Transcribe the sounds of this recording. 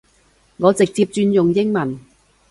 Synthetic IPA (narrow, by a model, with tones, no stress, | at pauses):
ŋɔː˨˧t͡sɪ˨k̚t͡siː˧p̚t͡ʃyː˧njʊ˨ŋjɪ˥ŋmɐ˨˩n